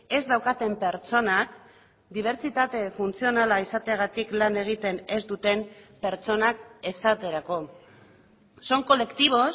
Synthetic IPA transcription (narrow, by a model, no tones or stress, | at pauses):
e̞zd̪awkat̪e̞mpe̞ɾt͡so̞nak | d̪iβ̞e̞ɾt͡sit̪at̪e̞funt͡sio̞nalaisat̪eaɣat̪iklane̞ɣ̞it̪e̞ne̞zd̪ut̪e̞mpe̞ɾt͡so̞nak̚e̞sat̪e̞ɾako̞ | so̞ŋko̞le̞kt̪iβ̞o̞s